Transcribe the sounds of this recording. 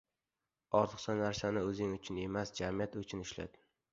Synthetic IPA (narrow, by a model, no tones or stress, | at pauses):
ɒɾt̪ʰɨ̥qsanaɾsanɪɵzɪŋʊt͡ʃʰʊne̞masd͡ʒamijat̪ʊt͡ʃʰʊnɪʃla̰d̪ɪ